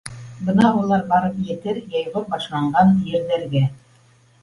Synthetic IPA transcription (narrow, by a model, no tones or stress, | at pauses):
bɤnɑulˠɑɾbɑɾɤpjɘ̆t̪ɘɾjɑjʁɤɾbɑʃlˠɑɴɢɑnjɘ̆ɾðæ̆ɾɡæ